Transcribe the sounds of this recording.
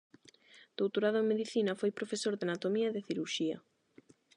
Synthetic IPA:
d̪̥owt̪oɾaðomeðiθinɐfojpɾofesoɾðanat̪omiɐeðɪθiɾuɾʃiɐ̰

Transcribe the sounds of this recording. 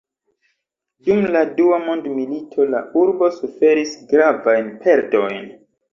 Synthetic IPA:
dumladuamo̞ndmilitʰo̞la̰uɾbo̞sufe̞ɾisɡɾavajnpʰe̞ɾdo̞jn

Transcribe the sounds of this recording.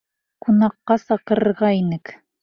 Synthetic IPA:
qunɑqːɑsɑqɤ̆ɾɤ̆ɾʁɑinɘk

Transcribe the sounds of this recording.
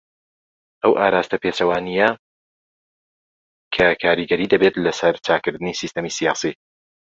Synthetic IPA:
ʔɐwʔaːɾaːst̪ɐpeːt͡ʃɐwaːnijɐ | kʰɐkʰaːɾiɡɐɾiːd̪ɐbet̪lɐsɐɾt͡ʃaːkɨɾd̪ɨnisist̪ɐmisijaːsi

